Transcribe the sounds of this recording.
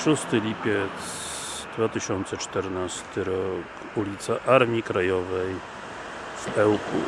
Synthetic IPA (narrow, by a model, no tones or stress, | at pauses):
ʂust̪ɘlʲipʲjɛt̪s | d̪vat̪ɘɕɔnt̪sɛt͡ʂt̪ɛɾnast̪ɘɾɔk | ulʲit̪saʔaɾmʲikɾajɔvɛj | vɛwkṵ